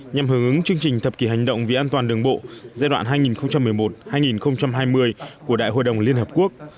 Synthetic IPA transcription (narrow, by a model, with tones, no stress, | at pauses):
ɲa˨˩mɦɨ˧˩ŋʔɨ˨˦ŋt͡ɕɨ˧əŋt͡ɕï˨˩ŋ̟t̪ʰə˨˩p̚ki˧˩ɦa˨˩jŋ̟ɗə̰˧˨wŋ͡mvi˨˩ʔaː˧nt̪waː˨˩nɗɨ˨˩əŋɓo̰˧˨zaː˧jɗwa̰ː˧˨nɦaː˧jŋi˨˩nxə˧wŋ͡mt͡ɕa˧mːɨ˨˩əjmo˨˩t̚haː˧jŋi˨˩nxə˧wŋ͡mt͡ɕa˧mɦaː˧jmɨ˧əjku˧˩əɗa̰ː˧˨ho̰˧˨jɗə˨˩wŋ͡mli˧ənɦəː˨˩p̚ku˦˥ək̚